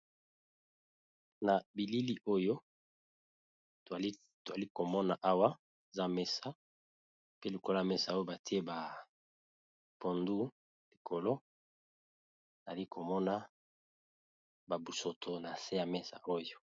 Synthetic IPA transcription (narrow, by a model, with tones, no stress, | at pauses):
na˨bi˨li˦li˦ʔo˦jo˦ | to˨a˨li˦ko˨mɔ˦na˨ʔa˦wa˦ | e˨za˦mɛ˦sa˦ | pe˦li˨ko˦lo˦˨a˨mɛ˦sa˨o˦jo˦ba˨ti˦e˦ba˨ | po˨ndu˦ | li˨kʰo˨lo˦˨ | za˨li˦kʰo˨mɔ˦na˦ | ba˨bu˨so˨tʰo˨na˨se˦ja˨mɛ˦sa̰˨ʔo˦jo˦